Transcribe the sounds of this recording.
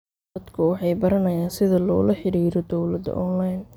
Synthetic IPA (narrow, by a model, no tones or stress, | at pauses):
ɐd̪kʰʊwɑħɑjbɐɾɐnɐjaːnsɪðɐlɔ̰ːlɐħɪɽiːɾɔd̪ɔwlɐd̪ɐ̰ʔɔnlajn